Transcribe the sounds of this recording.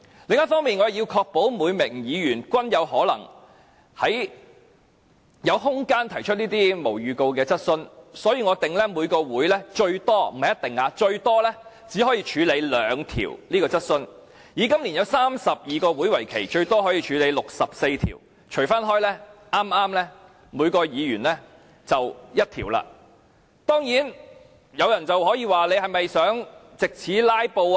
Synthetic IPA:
lɪ˨ŋjɐ˥t̚fɔː˥ŋmiː˨nŋɔ˨˧˨ji˧wkʰɔː˧k̚po˨˥wmuː˨˧jmɪ˨˩ŋjiː˨˧jyː˨˩nkʷɐ˥njɐ˨˧wɦɔː˨˥lɐ̰˨˩ŋ | hɐ˨˥j | jɐ˨˧wɦʊ˥ŋkaː˥nt̪ʰɐ˨˩jt͡ʃʰɵ˥t̚niː˥t̪iː˥mo˨˩wjyː˨˧ko˧wkɛː˧t͡sɐ˥t̚sɵ˥nsɔː˨˥jiː˧ŋɔ˨˧t̪ɪ˨ŋlɛː˥muː˨˧jkɔː˧wuː˨˥jlɛː˥t͡ʃɵ˧ɥt̪ɔː˥m̩˨ɐ˨jɐ˥t̪̚ɪ˨ŋaː˧t͡ʃɵ˧ɥt̪ɔː˥lɛ˥ | t͡siː˨˥hɔː˨˥jiː˧t͡ʃʰyː˨˧le˨˧jlœː˨˧ŋt̪ʰḭː˨˩wliː˥kɔː˧t͡sɐ˥t̚sɵ˥n | jiː˨˥kɐ˥mli˨˩njɐ˨˧wsaː˥msɐ˨p̚jiː˨kɔː˧wuː˨˥jwɐ˨˩jkʰe˨˩jt͡ʃɵ˧ɥt̪ɔː˥ɦɔː˨˥jiː˧t͡ʃʰyː˨˧le˨˧jlʊ˨k̚sɐ˨p̚se˧jt̪ʰḭː˨˩w | t͡ʃʰɵ˨˩faː˥nɦɔː˥jlɛː˥ʔaː˥mʔaː˥mlɛː˥ | muː˨˧jkɔː˧jiː˨˧jy̰ː˨˩nlɛː˥ | t͡sɐ˨wjɐ˥t̚t̪ʰiː˨˩wla̰ː˧ | t̪ɔː˥ŋjiː˨˥n | jɐ˨˧wjɐ˨˩nt͡sɐ˨wɦɔː˨˥jiː˧waː˨le˨˧jhɐ˨jmɐ˨jsœː˨˥ŋt͡sɪ˨k̚t͡sʰiː˨˥laː˥jpo˧w

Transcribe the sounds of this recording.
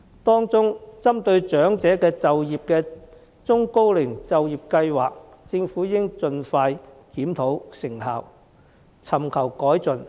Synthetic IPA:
t̪ɔː˥ŋt͡sʊ˥ŋt͡sɐ˥mt̪ɵ˧ɥt͡sœː˨˥ŋt͡sɛː˨˥kɛː˧t͡sɐ˨wjiː˨p̚kɛː˧ | t͡sʊ˥ŋko˥wlɪ˨˩ŋt͡sɐ˨wjiː˨˩p̚kɐ˧jwaː˨˩k̚ | t͡sɪ˧ŋfuː˨˥jɪ˥ŋt͡sɵ˧nfaː˧j | kiː˨˥mt̪ʰo˨˥wsɪ˨˩ŋhaː˨˩w | t͡sʰɐ˨˩mkʰɐ˨˩wkɔː˨˥jt͡sɵ˨n

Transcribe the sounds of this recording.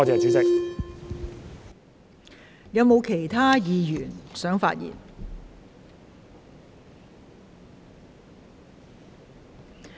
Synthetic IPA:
t͡sɛː˨˧t͡siː˨˥t͡sɪ˥k̚ | jɐ˨˧wmo˨˧wkʰe˨˩jt̪ʰaː˥jiː˨˧jyː˨˩nsœː˨˥ŋfa̰ː˧t̚jḭː˨˩n

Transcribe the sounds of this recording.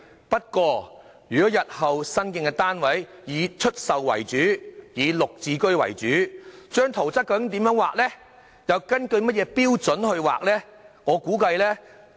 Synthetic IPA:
pɐ˥t̚kʷɔː˧ | jyː˨˩kɔː˨˥jɐ˨t̚hɐ˨wsɐ˥nkɪ˧˥ŋkɛ˧t̪aː˥nwɐ˨˥jjiː˨˧t͡ʃʰɵ˥t̚sɐ˨wwɐ̰˨˩jt͡ʃyː˨˥jiː˨˧lʊ˨k̚t͡siː˨kɵ˥ɥwɐ̰˨˩jt͡ʃyː˨˥t͡ʃœː˥ŋt̪ʰo˨˩wt͡sɐ˥t̚kːɐ˧kɪ˧˥ŋt̪iː˨˥mjœː˨˥ŋwa̰ː˨k̚lɛː˥ | jɐ˨˧wkɐ˥nkɵ˧ɥmɐ˥t̚jɛː˨˧piː˥wt͡sɵ˨˥nhɵ˧ɥwa̰ː˨k̚lɛː˥ŋɔː˨˧kuː˨˥kɐ˧jlɛː˥

